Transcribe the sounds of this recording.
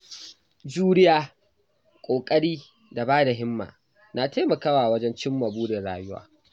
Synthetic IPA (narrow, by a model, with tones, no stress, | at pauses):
d͡ʒuː˦ɾɪ˦jaː˦ | kʷʼoː˨kʼɐ˦ɽiː˦ | da˨baː˦da˨ɦɪ˦mːa̰ː˨ | naː˨teː˦mɐ˨kaː˦waː˨wɐ˦d͡ʒɛ˦nt͡ʃɪ˦mːa˨buː˦de˨ɽaː˦jʊ˦wa̰ː˦